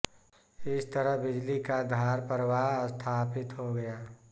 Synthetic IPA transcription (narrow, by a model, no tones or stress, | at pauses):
ɪst̪əɾəɦbɪd͡ʒlikad̪ʱaːɾpəɾəwaɦst̪ʰaːpɪt̪ɦoɡɐjaː